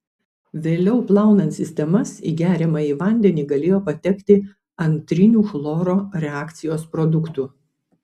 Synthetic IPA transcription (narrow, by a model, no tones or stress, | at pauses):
ʋʲeːlʲɛʊplˠɑˑʊnɐnt̪sʲɪsʲt̪ʲɛmɐsḭːɡʲæːɾʲɛmɐiːʋɐnʲd̪ʲɛnʲiːɡɐlʲeːjoːpɐt̪ʲɛkt̪ʲɪ | ɐnʲt̪ʲɾʲɪnʲuːxlˠɔːɾoːɾʲɛɑːkt̪sʲɪjoːspɾɔd̪ʊkt̪uː